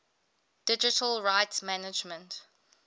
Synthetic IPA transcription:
d̥ɪd͡ʒɪtʰəlɹaɪtsmænɪd͡ʒmə̃nt

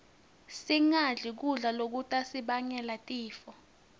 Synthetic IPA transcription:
siŋaɮik̬uɮalok̬utʼasiɓaɲɛlatʼiːfɔ

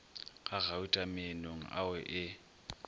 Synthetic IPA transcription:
ɣʼaɣaʊtʼamɪnoŋ̩ʔa̰wɛʔɪ

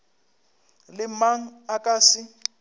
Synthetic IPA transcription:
lɪmaŋ̩akʼaːsɪ

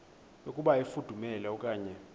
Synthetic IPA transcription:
okʼuɓaifud̥ʱumɛlɛɔkʼaːɲɛ

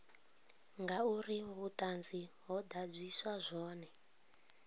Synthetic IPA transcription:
ŋɡauriβutʼand͡ziɦɔd̪ab͡ʐʷisazʷɔːnɛ

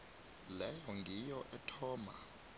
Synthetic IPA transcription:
lɛjɔŋɡʱijɔʔɛtʰɔːma

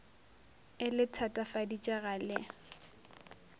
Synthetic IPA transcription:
ɪlɪtʰatʼafadit͡ʃʼaɣalɪ

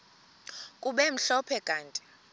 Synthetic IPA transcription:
kʼuɓɛm̩ɬɔpʰɛkʼaːntʼi̥

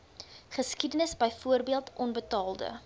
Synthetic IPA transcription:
χəskidənəsbəjfuərbiəlˠtʰʔɔnbətɑːlˠdə̰

